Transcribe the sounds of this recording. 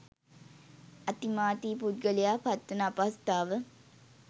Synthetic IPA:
at̪imaːt̪iːpud̪̚ɡəlijaːpat̪ːənaapast̪aːʋə

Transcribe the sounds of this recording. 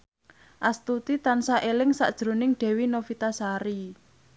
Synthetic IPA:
ʔast̪ut̪it̪ansaʔelɪŋsa̰ʔd̥ʒ̥ɾo̤nɪŋɖ̥ɛ̤winofit̪asaɾi

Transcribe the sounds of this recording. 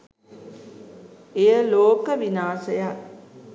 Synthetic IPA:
ejəloːkəʋinaːsəja

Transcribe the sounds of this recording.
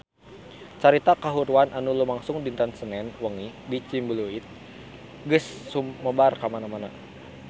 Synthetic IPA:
t͡ʃaɾit̪akaɦuɾuanʔanulumaŋsʊŋdint̪ansənɛnwəŋibit͡ʃimbəluit̪̚ | ɡəsːumːəbarkamanamana̰

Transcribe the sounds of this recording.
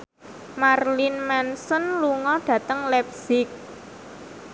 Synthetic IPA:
marlinmɛnsɔnluŋɔɖ̥ä̤t̪əŋlɛp̚sɪk̚

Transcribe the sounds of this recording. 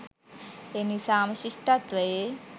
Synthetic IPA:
enisaːmɐʃiʂʈɐt̪ʋɐje

